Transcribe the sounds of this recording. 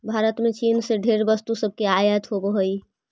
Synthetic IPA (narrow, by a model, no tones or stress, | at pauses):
bʱaːɾət̪mẽt͡ʃiːnseɖʱeːɾbəst̪usəb̚ʱkeaːjət̪ɦobəɦoi